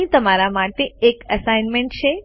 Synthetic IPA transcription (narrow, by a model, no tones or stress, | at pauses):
ĩt̪əmaɾamaʈeːkəsajnmẽɳʈt͡ʃʰe